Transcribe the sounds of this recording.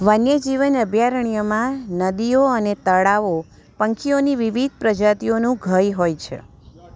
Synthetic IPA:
ʋənjəd͡ʒiʋənəbʱjaɾəɳ̃ijomãnəd̪ioənet̪əɭaʋo | pə̃ŋkʰioniʋiʋid̪ʱpɾəd͡ʒat̪ionũɡʱəjɦojt͡ʃʰḛ

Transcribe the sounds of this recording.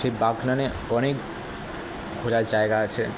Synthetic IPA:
ʃebaɡnane | ɔnek | ɡʱolad͡ʒaeɡaːt͡ʃʰe

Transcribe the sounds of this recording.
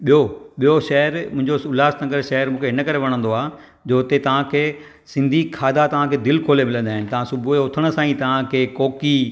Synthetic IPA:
ɓijoɓijoʃɐɦəɾmʊ̃ɦɪ̃ɲd͡ʑoʊlaːsnɐ̃ŋɡəɾʃɐɦəɾmũːkʰeɦɪnəkɐɾeʋɐɽ̃ə̃nd̪oaː | d͡ʑoːt̪et̪ɐʋ̤ãkʰeː | sɪ̃nd̪ʱikʰaːd̪at̪ɐʋ̤ãkʰeːd̪ɪlkʰoːlemɪlə̃nd̪aːɦɪnɪ̆t̪ɐʋ̤ãsʊbʱueʊt̪ʰəɽ̃̆sãːĩt̪ɐʋ̤ãkʰeːkoːki

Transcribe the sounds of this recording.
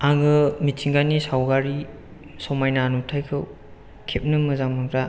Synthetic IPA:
aŋɯmitʰiŋɡanisawɡaɾi | sɔmajnanutʰajkʰɯw | kʰep̚nɯmɯzamɯŋɾa

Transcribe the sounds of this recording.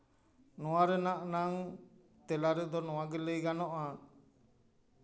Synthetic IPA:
nɔwaɾɛnaʔnaŋ | t̪ɛlaɾɛd̪ɔnɔwaɡɛləjɡanɔʔat̪

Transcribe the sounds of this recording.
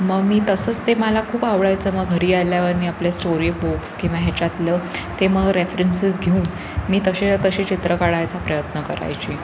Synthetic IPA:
məɡmiːt̪əsəːt͡st̪eməlakʰuːpaʋɭajt͡səːməɡɦəɾiːaljaʋəɾmiːapljasʈoɾibokskĩʋaɦɛt͡ɕat̪lət̪eməɡɾefɾensisɡʱeũːn | miːt̪əɕet̪əɕiːt͡ɕit̪ɾəkaɽajt͡sapɾəjət̪nəkəɾa̰jt͡ɕiː

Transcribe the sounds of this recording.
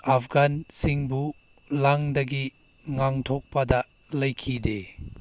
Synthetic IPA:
apʰɡansiŋbu | laŋdɐɡi | ŋaŋtʰɔk̚pɐdɐ | lɐjkʰide

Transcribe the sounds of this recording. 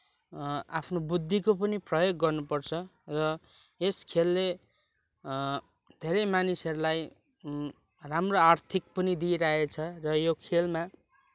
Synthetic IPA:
apʰnobud̪ʱːikopʌniprʌjoɡːʌrnupʌrt͡sʰʌrʌ | eskʰelːe | d̪ʱeɾʌjmanisʌɾulaj | ramroart̪ʰik̚pʌnid̪iɾaɦet͡sʰʌrʌjokʰelma

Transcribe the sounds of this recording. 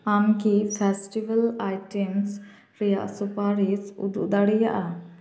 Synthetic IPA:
amkipʰɛsʈibalajʈɛms | ɾija̰ʔsupaɾisṵd̪ṵʔd̪aɽija̰ʔa

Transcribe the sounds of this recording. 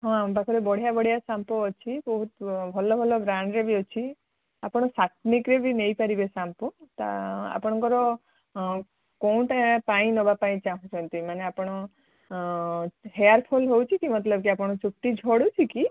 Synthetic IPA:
ɦɔ̃bakʰɔɾebɔɽ̤ijabɔɽ̤jasampɔːt͡ʃʰibɔɦut̪bʱɔlɔbʱɔlɔbɾaɳɖɾebiɔt͡ʃʰi | apɔɽ̃ɔsat̪̚nikɾebʱinejpaɾibesampɔt̪a̰a̰pɔɽ̃ɔŋkɔɾɔ | kõʈapaĩnɔbapaĩt͡ʃaɦũt͡ʃʰɔnt̪imaneapɔɽ̃ɔ | ɦeaɾpʰolɦowt͡ʃʰikimɔt̪lɔbkiapɔɽ̃ɔt͡ʃuʈːid͡ʒʱɔɽut͡ʃʰiki

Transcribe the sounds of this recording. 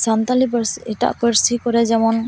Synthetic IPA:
sant̪alipsita̰ʔpəɾsikɔɾɛzɛmɔn

